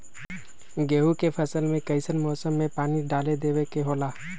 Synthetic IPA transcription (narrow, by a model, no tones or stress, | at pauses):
ɡeːɦukepʰəsəlmẽkɐɪsənmɔːsəmːẽpaːniɖaːled̪eːwekeɦoːlaː